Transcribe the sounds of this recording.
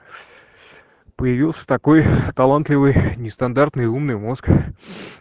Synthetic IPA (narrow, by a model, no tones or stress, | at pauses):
pəjɪvʲilˠsʲə̥t̪ɐko̞jt̪ɐlˠant̪lʲɪvɨjnʲɪst̪ɐnd̪art̪nɨjumnɨjmo̞sk